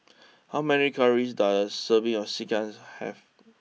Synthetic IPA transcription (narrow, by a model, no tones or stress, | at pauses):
hawmɛnikʰaɹis̬daəsəvĩɔsikãnshɛ̰v